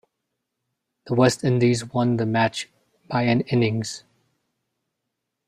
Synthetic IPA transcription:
ðəwɛstɪ̃ndizwʌ̃nðəmæt͡ʃ | b̥aɪɨ̃nɪ̃nɪ̃ŋz̥

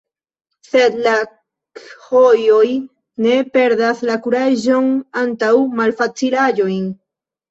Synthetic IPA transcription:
θed̪la | khojoj | nepeɾd̪aslakuɾaʒoŋant̪awmalfat͡silaʎojŋ

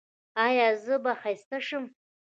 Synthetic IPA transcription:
ajazɨbaχajstʰaʂɨm

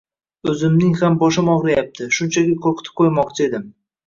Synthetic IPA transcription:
ɵzɪmnɪŋhambɒʃɪmɒʁɾajap̚t̪ʰɪʃʊnt͡ʃʰaɡʲɪqʰoɾqʰɨt̪ʰɪ̥p̚qʰojmɒqt͡ʃʰɪe̞d̪ɪm

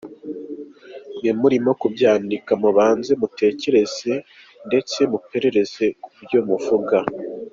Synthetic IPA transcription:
nemuɾimo̞kubjaːndikamuβaːnze̞mutʰe̞ːce̞ɾe̞z̥e̞ | nde̞t͡se̞mupe̞ɾe̞ɾe̞ze̞kuɾɟoːmuvuɡa

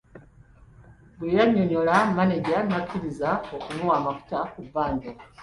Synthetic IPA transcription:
bwejaɲoɲolamaneɟanakʰiɾizaokumuwaːmaku̥takuvaːndo

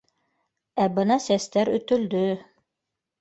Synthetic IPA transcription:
æbɤnɑsæst̪æɾɵ̆t̪ɵ̆ld̪ɵ

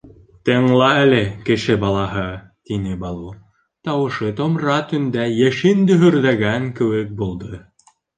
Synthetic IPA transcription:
t̪ɤ̆ɴlˠɑælɘkɘ̆ʃɘbɑlˠɑɦɤ | t̪inɘbɑlˠu | t̪ɑwɤ̆ʃɤt̪ŏmɾɑt̪ɵ̆nd̪æjæʃɘnd̪ɵ̆ɦɵ̆ɾðæɡæŋkɘ̆wɘk̚bulˠd̪ɤ

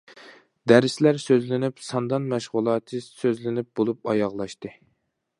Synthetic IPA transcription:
d̪æɾɪslæɾsøzlɪnɪpsɑnd̪ɑnmæʃʁʊlˠɑːt̪ʰɨsøzlɪnɪp̚bolˠup̚ɑjɑʁlˠɑʃt̪ɨ

